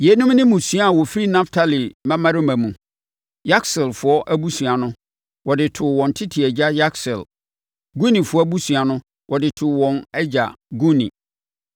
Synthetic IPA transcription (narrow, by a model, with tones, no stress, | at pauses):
je˨˦nũ˦mnɪ̃˦mũ˨su˦a˦a˨wɔ˨fi˦ɾi˦nã˦ftʰa˦li˨mã˦mã˦ɾɪ˦mã˨mũ˨ | ja˦ksɪ˨lfʊ˨ɔ˦ʔæ˦bu˦su˨a˨nʊ̃˦ | wɔ˨dɪ˨tʰʊ˨wɔ̃˨n˨tʰɪ˦tʰi˨ɛ˨d͡ʑa˦ja˦ksɪ̰˨l | ɡu˦nĩ˨fʊ˦ɔ˦bu˦su˨a˨nʊ̃˦ | wʔɔ˨dɪ˨tʰʊ˨wɔ̃˨nɛ˦d͡ʑa̰˨ɡu˦nḭ̃˨